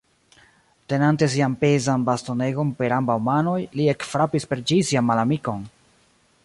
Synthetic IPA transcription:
tenante̞s̬iampe̞zanbasto̞ne̞ɡo̞npe̞ɾambawmano̞jlie̞kfɾapispe̞ɾd͡ʒisianmalamiko̞n

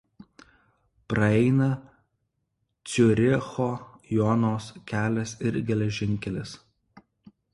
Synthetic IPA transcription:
pɾɐɛɪnɐ | t̪sʲʊɾʲɪxoːjɔnoːskʲæːlʲɛsɪɾɡʲɛlʲɛʒʲɪŋʲkʲɛlʲɪs

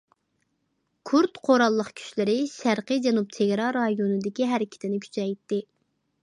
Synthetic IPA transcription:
kʰuɾt̪qʰoɾɑlˠːəχkʲʰy̥ʃlɪɾɪʃæɾqɨjd͡ʒɛnup̚t̪ʰeɡʲɾɑɾːɑjonɨd̪ɪkʲiɦæɾɪkʲʰɪ̥t̪ʰɪnɪkʲʰy̥t͡ʃʰɛjt̪ːɪ

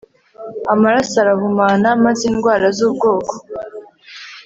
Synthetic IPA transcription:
amaɾasaɾaɦumaːnamaziːnɡwaːɾazub̚ɡo̞ːko̥

